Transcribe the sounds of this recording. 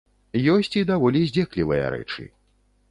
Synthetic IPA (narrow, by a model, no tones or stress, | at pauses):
jɔsʲt͡sʲid̪avɔlʲizʲd͡zʲɛklʲivɨjɐ̰ɾɛ̰t͡ʂɨ̰